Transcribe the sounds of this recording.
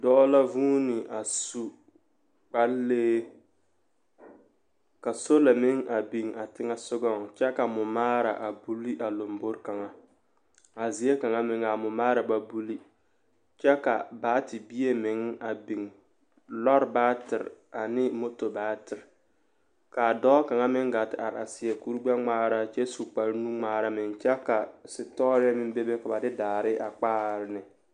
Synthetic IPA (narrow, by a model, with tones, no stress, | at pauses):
dɔ˦la˦vuː˦nɪ˨ʔa˨su˦ | k͡pa˦lːeː˦ | ka˨so˦la˨mɪ˦ŋa˨bi˨ŋa˨tɪ˦ŋa˦sʊ˦ɡɔ˦˨ŋ˨t͡ʃɛ˦ka˨mʊ˨maː˦ɾa̰˨ʔa˨bu˦li˦ʔa˨lo˨mbo˦ɾka˨ŋa˨ | a˨zi˨˦e˦ka˨ŋa˨mɪ˨ŋa˨mʊ˨maː˦ɾa˨ba˦bu˦li˦ | t͡ʃɛ˦ka̰˨baː˨˦tɪ˨bi˦e˦mɪ˨ŋa˨bi˨ŋ | lɔ˦ɾbaː˦tɪ˨ɾa˨nɪ˦mo˦to˨baː˨˦tɪ˨ɾ | ka˨dɔː˦ka˨ŋa˦mɪ˦ŋɡa˨tɪ˨a˨ɾa˨sɪ˨ɛ˨ku˦ɾɡ͡ba˦ŋ͡maː˦ɾa˨t͡ʃɛ˦su˨k͡pa˨ɾnu˦ŋ͡maː˦ɾa˦mɪ˨ŋt͡ʃɛ˦ka˨sɪ˨tɔ˦ɾa˦mɪ˦m˦be˦be˦ka˨ba˨dɪ˦daː˨ɾɪ˦ʔa˨k͡paː˦ɾɪ˦nɪ˨